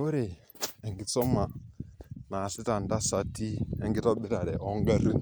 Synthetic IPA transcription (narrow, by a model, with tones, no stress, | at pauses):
o˦ɾe˨ | ɛ˨ŋɡɪ˨˦t͡sɔ˦ma˨ | na˨sɪ˦ta˨n˨da˦sa˦ti˦ɛ˦ŋɡɪ˦tɔ˦bɪ˦ɾa˨ɾɛ˨ʔɔ˦ŋ˦ɡa˦ɾu˦